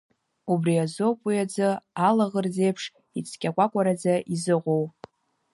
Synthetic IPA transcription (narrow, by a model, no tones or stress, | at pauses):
ubriazo̞pʼijad͡zɨalaʁərd͡ze̞jpʰʂ | it͡sʰkʲʼakʷʼakʷʼaɾad͡zaʔizɨʁʷow